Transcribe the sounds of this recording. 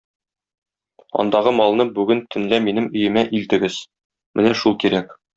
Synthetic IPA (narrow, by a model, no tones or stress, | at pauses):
ɒ̰nd̪ɑʁɤmɒlˠnɤbʉɡɘnt̪ʰɵ̆nlæminɘmɵ̆jɘ̆mæʔilt̪ɘ̆ɡɘz̥ | mɘnæʃulˠkiɾæk